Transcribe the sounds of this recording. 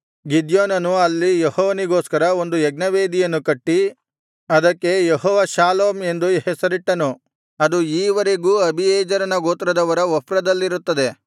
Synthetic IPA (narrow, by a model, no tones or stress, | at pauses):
ɡid̪joːnɐnuɐlːijehɔːʋɐniɡo̞ːskɐɾɐond̪ujɛɡnɐʋeːd̪ijɐnːukɐʈːi | ɐd̪ɐkːe̞jehɔːʋɐʃaːloːme̞nd̪uhɛsɐɾiʈːɐnu | ɐd̪uiːʋɐɾeɡuːɐbʱijɛːd͡ʒɐɾɐnɐɡoːt̪ɾɐd̪ɐʋɐɾɐɔpɾɐd̪ɐlːiɾut̪ːɐd̪e̞